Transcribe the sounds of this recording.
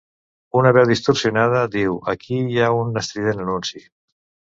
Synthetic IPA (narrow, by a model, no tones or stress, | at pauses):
unaβɛwðist̪oɾsiunað̞əðiwəkʰijaunːəst̪ɾiðenənunsi